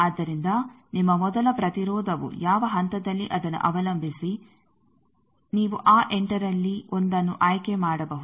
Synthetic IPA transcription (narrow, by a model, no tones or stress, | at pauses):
aːd̪ːɐɾind̪ɐ | nimːɐmɔd̪ɐlɐpɾɐt̪iɾɔːd̪ʱɐʋṵjaːʋɐɦɐnt̪ɐd̪ɐlːiʔɐd̪ɐnːṵʔɐʋɐlɐmbʱisi | niːʋuʔaːʔeɳʈɐɾɐlːiond̪ɐnːuʔaːjkemaːɽɐbɐɦu